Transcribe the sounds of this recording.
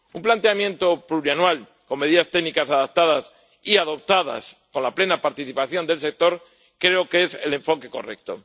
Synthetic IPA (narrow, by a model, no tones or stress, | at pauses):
umplant̪e̞amjẽ̞nt̪opluɾjanwal | komːe̞ð̞iðast̪e̞ɣnikasaðap̚t̪aðas | iaðo̞p̚t̪aða̰sko̞nlaple̞napaɾt̪iθipaθjo̞nd̪e̞lse̞k̚t̪o̞ɾ | kɾe̞oke̞sele̞ɱfo̞ke̞ko̞̰rḛk̚t̪o̰